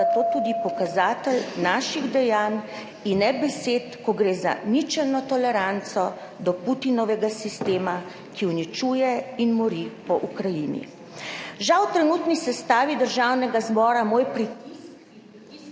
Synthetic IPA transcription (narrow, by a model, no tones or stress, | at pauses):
at̪oːt̪ud̪ipɔkazaːt̪ɛlnaːʃiɣd̪ɛjaːn | inːɛbɛseːt̪kɔɡɾeːza̰nit͡ʃɛlnɔt̪ɔlɛɾant̪sɔ | d̪ɔput̪inɔʋɛɡasist̪eːma | kʰiwnit͡ʃuːjɛinmɔɾipɔʔukɾajinḭ | ʒawt̪ɾɛnut̪nisɛst̪aːʋid̪əɾʒawnɛɡazbɔːɾamoːjpɾi